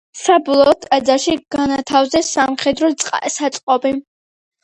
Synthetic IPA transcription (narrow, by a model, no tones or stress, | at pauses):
sabɔlˠɔːt̪ʰad̪zaʃiɡ̥anat̪ʰavzɛsamχɛd̪ɾɔt̪sʼqʼasat̪sʼqʼɔbi